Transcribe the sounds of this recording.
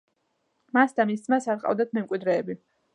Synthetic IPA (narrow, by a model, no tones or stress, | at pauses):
masd̪amiszmasaɾqʼa̰vd̪at̪ʰmɛmkʼwid̪ɾɛːbi